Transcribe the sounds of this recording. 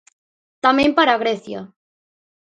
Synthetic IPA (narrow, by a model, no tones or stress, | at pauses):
t̪amempaɾaɣ̞ɾeθja